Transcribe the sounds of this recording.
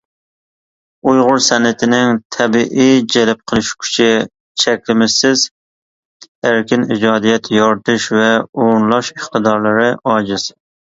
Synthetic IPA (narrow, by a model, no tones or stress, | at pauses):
ujʁʊɾsɛnːɪt̪ʰɪnɪŋt̪ʰɛbiʔijd͡ʒɛlɛp̚qʰəlˠɨʃkʲʰy̥t͡ʃʰɪ | t͡ʃʰɛkʲlɪmɪsɪz | æɾkʲɪnid͡ʒɑːd̪ijɛt̪ʰjɑɾt̪ʰɨʃvɛoɾnlˠɑʃəχt̪ɨd̪ɑɾlˠɨɾɨɑːd͡ʒɪs